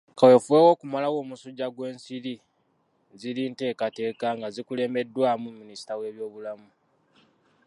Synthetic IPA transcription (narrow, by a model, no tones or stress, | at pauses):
kawe̞fuweːwo̞ːkumalawo̞ːmusuɟːaɡwe̞ːnsiɾi | zilinte̞ːkate̞ːkaŋɡazikule̞ːme̞dːwaːmumːinisi̥tawe̞ːβjo̞ːβulamu